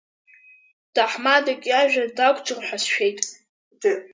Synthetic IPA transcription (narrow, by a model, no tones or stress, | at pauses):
d̥aħmadakʲʼaʒᶣadakʷʼʈ͡ʂʼɨrħʷᶣasʃᶣe̞jtʼ